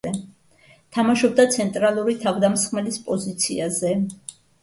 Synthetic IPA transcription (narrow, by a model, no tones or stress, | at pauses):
ɛ | t̪ʰamaʃɔb̚d̪at̪sʰɛnt̪ʼɾalˠuɾit̪ʰavd̪amsχmɛlispʼɔzit̪sʰḭazɛ